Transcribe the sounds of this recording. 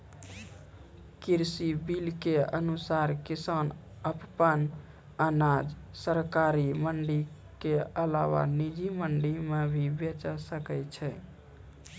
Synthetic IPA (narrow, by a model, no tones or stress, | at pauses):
kiɾsibilkeə̰nusaɾkisan | əppən | ənad͡ʒ | səɾkaɾiməɳɖi | keəlawa̰nid͡ʒiməɳɖimebʱibet͡ʃəsəkɛt͡ʃʰɛ